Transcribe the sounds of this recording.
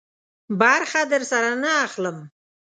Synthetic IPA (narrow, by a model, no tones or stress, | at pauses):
baɾχad̪əɾsaɾanəaχləm